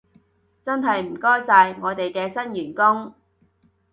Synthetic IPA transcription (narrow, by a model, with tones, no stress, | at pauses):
t͡sɐ˥nɦɐ˨jm̩˨˩kɔː˥jsaː˧jŋɔː˨˧t̪e˨jkɛː˧sɐ˥njyː˨˩nkʊ˥ŋ